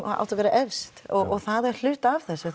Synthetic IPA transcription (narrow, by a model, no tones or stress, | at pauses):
a̰wt̪avɛːɾaʔɛvst̪ɔɔɣθaðɛɾ̥l̥ʏːt̪avθɛsːʏ